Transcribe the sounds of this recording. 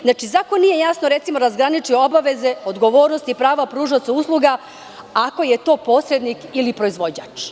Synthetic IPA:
znaːt͡ʃizaːkonːije̞jasnoɾe̞t̪simoɾazɡɾanit͡ʃujobaʋe̞ze̞od̪ɡo̞ʋo̞ːɾnost̪ipɾaːʋapɾuːʒat̪sauslˠuɡa | ako̞je̞t̪o̞ːpo̞ːsɾe̞d̪nikilipɾoizʋo̞d͡ʑaːt͡ʃ

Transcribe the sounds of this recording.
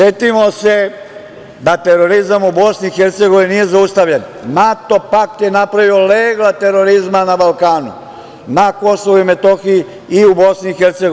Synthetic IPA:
set̪imo̞se̞ | d̪at̪eɾo̞ɾizamubo̞snixe̞ɾt̪se̞ɡoʋininije̞zaust̪aʋʎennat̪o̞pak̚t̪je̞napɾaʋio̞leːɡlˠat̪e̞ɾo̞ɾizmanabalkaːnṵ | nako̞soʋuime̞t̪o̞xii | iubo̞sniːxe̞ɾt̪seɡo

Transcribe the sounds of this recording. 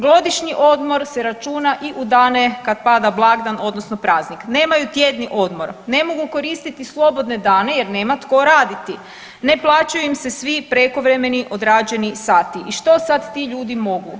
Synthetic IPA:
ɡlo̞d̪iʃɲiʔo̞d̪mo̞ɾseɾat͡ʃuːnaʔiʔud̪aːne̞kad̪pad̪ablˠaɡd̪ano̞d̪no̞sno̞pɾaːznikne̞ːmajut̪je̞d̪niʔo̞d̪mo̞ɾne̞mo̞ɡuko̞ɾiːst̪it̪islˠo̞bo̞d̪ne̞d̪aːne̞je̞ɾne̞ːmat̪ko̞ɾaːd̪it̪i | ne̞plˠaːt͡ɕajuimsesʋipɾe̞ko̞ʋɾe̞me̞niʔo̞d̪ɾaːd͡ʑe̞nisaːt̪iʔiʃt̪o̞sad̪t̪iʎuːd̪imo̞ɡu

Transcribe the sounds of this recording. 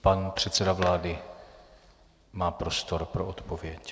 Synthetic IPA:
panpr̝̥ɛt̪sɛdavlaːdɪ | maːpɾost̪oɾpɾoʔot̪povjɛc

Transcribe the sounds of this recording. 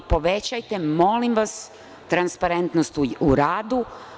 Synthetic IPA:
po̞ʋet͡ɕajt̪emo̞limʋas | t̪ɾanspaɾe̞nt̪nost̪uuɾaːd̪u

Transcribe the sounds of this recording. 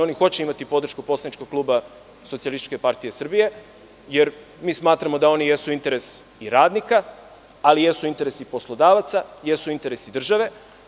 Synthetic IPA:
o̞nixo̞t͡ɕeimat̪ipo̞d̪ɾr̩ʃkupo̞slanit͡ʃko̥klˠuːba | sot̪ialist̪t͡ʃke̞paɾt̪ijesr̩bije̞ | je̞ɾ | miːsmaːt̪ɾamo̞d̪ao̞nije̞suint̪e̞ɾe̞s | iɾaːd̪nika | alije̞suint̪e̞ɾesipo̞slˠod̪aːʋat̪saje̞suint̪e̞ɾe̞sid̪r̩ʒaʋe̞

